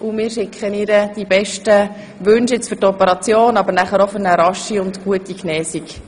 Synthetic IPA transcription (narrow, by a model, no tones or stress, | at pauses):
ʔʊmɪːɾʃɪkχənɪɾəd̥ibɛʃtə | ʋɵnʃɪt͡sfʏɾtɔpəɾɑt͡sjoːnɑbəɾnæχəɾofʏɾnəɾɑʃiʊndɡ̥uətiknɛːsik